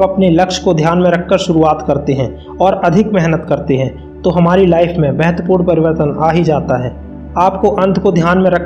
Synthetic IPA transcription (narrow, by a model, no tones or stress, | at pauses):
ɐpnelɐkʃkod̪ʱjaːnmẽɾɐkʰːəɾʃʊɾuaːt̪kɐɾt̪eɦɛ̃ | ɔːɾɐd̪ʱɪkmɛɦnət̪kɐɾt̪eɦɛ̃ | t̪oɦɐmaːɾilaːɪfʰmẽbɛɦət̪wəpuːɾnpɐɾɪʋəɾt̪ənaːɦid͡ʒaːt̪aɦɛː | aːp̚koʔɐ̃nd̪ʰʱkod̪ʱjaːnmẽɾɐkʰ